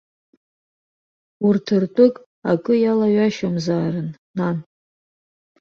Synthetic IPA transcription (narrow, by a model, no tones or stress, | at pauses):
urtʰɨrtʷʼʊkʼ | akʼɨjalaɥaʃamzaːrɨn | nan